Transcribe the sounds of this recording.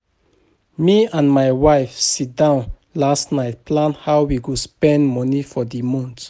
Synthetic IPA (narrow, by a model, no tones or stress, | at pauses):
miãnmajwajfsit̚dãʊ̃n | lastnajt̚pʰlãnhawwiɡuspɛ̃ndmɔnifɔdimɔ̃nt